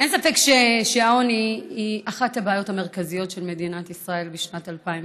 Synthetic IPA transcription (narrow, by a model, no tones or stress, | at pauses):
ensafe̞kʃeʃeaoniiʔaχathabaːjo̞thame̞ʁkazijo̞tʃe̞lme̞dinatisʁae̞lbiʃnatalpaim